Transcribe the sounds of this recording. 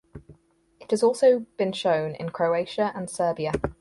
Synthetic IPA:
ɪthəzɔˑlˠsəʊb̥ĩnʃə̃ʊ̃nɪ̰̃nkʰɹ̥əʊeɪʃəə̃nsɜːbiə

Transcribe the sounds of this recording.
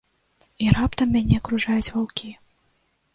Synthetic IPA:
iɾapt̪ɐmːʲanʲɛɐkɾuʐajut͡sʲvawkʲi

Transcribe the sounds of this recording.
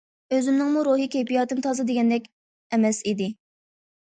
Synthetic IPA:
øzɪmnɪŋmuɾuɦɨkʲejpijɑt̪ɨnt̪ʰɑzɨd̪eɡʲɛnd̪ɛkʲ | ɛmɛsid̪ɪ

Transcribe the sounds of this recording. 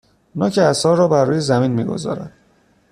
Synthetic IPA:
nɒːcʰeæsɒːɾːɒːbærːuːjezæmiːnmiːɡo̰zɒ̰ːɾæ̰d̪̥

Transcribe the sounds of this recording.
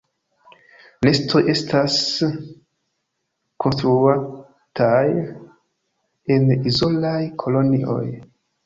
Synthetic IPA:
nesto̞ʔe̞stas | kʰo̞nstɾua | tʰaj | e̞nizolajkʰo̞lo̞niʔo̞̰j

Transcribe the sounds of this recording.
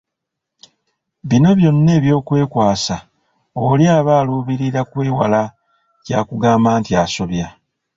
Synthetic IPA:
βino̞βjo̞nːe̞ːβjo̞ːkwe̞ːkwaːsa | oljaːβaːluːβiɾiɾakweːwala | ca̰ːkuɡaːmbaːntiaːso̞βja

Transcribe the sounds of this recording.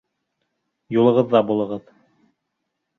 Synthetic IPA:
julˠɤ̆ʁɤ̆ðːɑbulˠɤ̆ʁɤð

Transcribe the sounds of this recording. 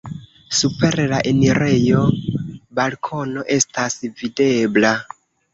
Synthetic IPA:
supe̞ɾlaʔeniɾe̞jo̞balkʰo̞no̞ʔe̞stasvide̞bla

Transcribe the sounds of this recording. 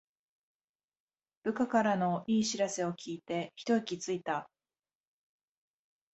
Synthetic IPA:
b̥ɯ̟kakaɾano̞iːɕiɾase̞o̞kʲʰiːt̪e̞çi̥t̪o̞ikʲit͡sɨit̪a

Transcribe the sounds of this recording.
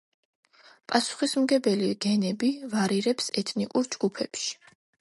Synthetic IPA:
pʼasu̥χismɡɛbɛliɡ̥ɛnɛbivaɾiɾɛpsɛt̪ʰnikʼuɾd͡ʒɡ̥upʰɛpʃi̥

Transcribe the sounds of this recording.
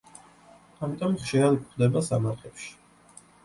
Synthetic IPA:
amit̪ʼɔmχʃiɾad̪pχd̪ɛbasamaɾχʰɛpʃi̥

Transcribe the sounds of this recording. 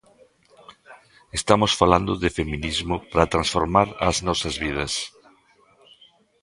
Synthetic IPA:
est̪amosfaland̪ʊðɪfemĩnizmʊpɾat̪ɾãnsfoɾmaɾɐznɔsɐzβið̞ɐs

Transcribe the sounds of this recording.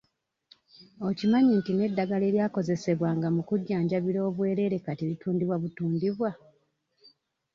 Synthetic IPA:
ocimaɲintine̞dːaɡale̞ːljaːko̞ze̞se̞βwaːŋɡamukuɟːaːɲɟaβiɾo̞ːβwe̞ːɾe̞ːɾe̞katielituːndiβwaβutuːndiβwa

